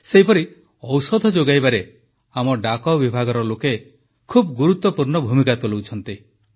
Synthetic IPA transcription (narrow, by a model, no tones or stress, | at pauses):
seɦipɔɾi | ɔwsɔd̪ʱɔd͡ʒoɡajbaɾe | amɔɖakɔbibʱaɡɔɾɔloke | kʰubɡuɾut̪wɔpuɾɳɔbʱumikat̪ulowt͡ʃʰɔnt̪i